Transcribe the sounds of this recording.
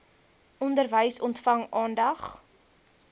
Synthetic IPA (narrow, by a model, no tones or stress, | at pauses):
ʔɔndərvəjsɔntfɐŋʔɑːndɐχ